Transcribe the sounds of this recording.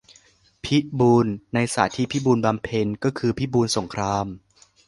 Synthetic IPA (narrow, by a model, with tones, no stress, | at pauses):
pʰi˦˥buː˧nːa˧jsa̰ː˩˦t̪ʰiː˦˥˩pʰi˦˥buː˧nba˧mpʰe˧nkɔː˥˩kʰɯː˧pʰi˦˥˩buː˧nso˩˦ŋkʰɾaː˧m